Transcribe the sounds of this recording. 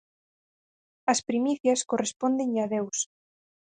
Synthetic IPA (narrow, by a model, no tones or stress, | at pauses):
ɐspɾimiθjɐskorespond̪eŋɐðews